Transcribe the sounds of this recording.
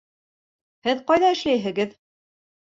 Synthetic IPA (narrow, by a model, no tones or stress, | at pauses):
hɘðqɑjðɑɘ̆ʃlæjɦɘ̆ɡɘð